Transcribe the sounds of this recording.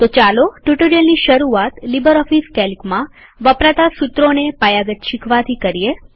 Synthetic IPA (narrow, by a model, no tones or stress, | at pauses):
t̪ot͡ʃaloʈuʈuɾijənːiʃəɾuat̪libəɾɔfiskɛlkmã | ʋəpɾat̪asut̪ɾonepajaɡət̪ʃikʰʋat̪ʰikəɾie